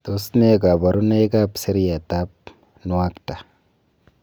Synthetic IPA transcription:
t̪osne˦ka˨ba˨ɾu˦na˦ka˦pse˦ɾi˦ja˨t̪a˦p̚ | nu˨wa˦kta˨

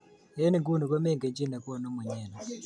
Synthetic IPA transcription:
e˦ni˨ŋɡu˦nu˨kwɛ˦mɛ˦˨ŋɡe˨ɲd͡ʒi˦˨na˨kɔ˦˨no˦mɛ˨ɲɛ˨na˨

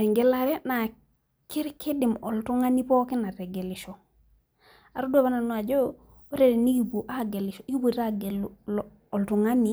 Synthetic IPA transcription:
e˨ŋɡe˦la˨ɾe˦na˨ | ki˦ɾke˦di˨mo˨ltu˦ŋa˦ni˦pɔ˦ki˦na˨ɾɛ˨ɡe˨li˨ʃo˨ | a˨ɾu˦du˦a˨βa˦na˨nu˦a˨d͡ʒo˦ | o˦ɾe˨ɾe˨ni˦ki˨pu˨ʔa˦ɡe˨li˨ʃɔ˨i˦bu˦˨ɾa˦ɡe˨ll | o˨ltu˨ŋa˦ni˦

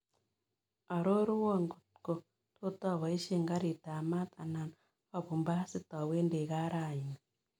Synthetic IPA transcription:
a˨ɾo˦ɾu˦wɔ˦˨ŋɡo˨t̚ko˨ | to˦ta˦˨βa˨i˦ʃe˦˨ŋɡa˦ɾi˨ta˨ma˦t̪a˨na˨n | a˦˨βu˨mba˦si˦ta˨we˦nde˨ɣa˦ɾa˦˨ɲa˨

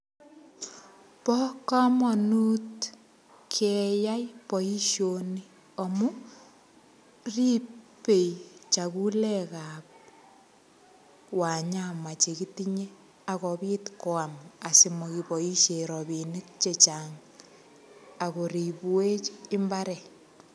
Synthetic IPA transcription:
pɔ˦ka˦mɔnu˦t | kʰeja˦jpɔ˨i˦ʃjoni˦ | o˨mu˦ | ri˦pe˨jt͡ʃa˨ku˦lɛkap̚ | wa˨ɲa˨ma˨t͡ʃe˨ki˦tiɲe˦ | a˨kɔpi˦tko˨ama˨si˨mɔkipɔ˨i˦ʃe˨ɾɔbini˦k̚t͡ʃet͡ʃaŋ | a˨ko˨ɾi˨pu˦we˦t͡ʃɪ˦mbaɾɛ˨

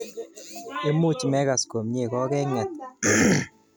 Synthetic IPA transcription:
e˦mu˦t͡ʃmɛ˦ɣa˨sko˨mɲe˦˨kɔ˦kɛ˦ŋɛ˨t̪̚

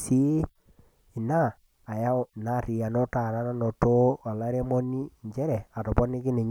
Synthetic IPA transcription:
si˦ | i˨naː˦˨ | ja˦˨na˦˨ri˨a˨no˦ta˨ɾa˦na˦no˨to˦a˨la˦ɾe˦mo˦ni˦˨ɲd͡ʒɛ˦ɾɛ˨a˨tɔ˨pɔ˦ni˦ki˦ne˨ɲ

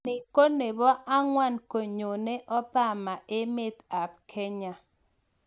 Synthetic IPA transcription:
ɪ˨ko˦ne˨bɔ˦ʔa˦ŋwa˦nko˨ɲo˨ne˦ʔɔ˦pa˦˨ma˨ɪ˦mɪ˦t̪a˨p̚kʰe˦ɲa˦

